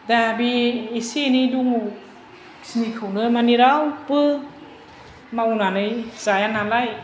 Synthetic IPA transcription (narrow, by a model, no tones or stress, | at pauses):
dabieseniduŋu | sinikʰɯwnɯmaniɾawpɯ | mawnanɯjzajanalaj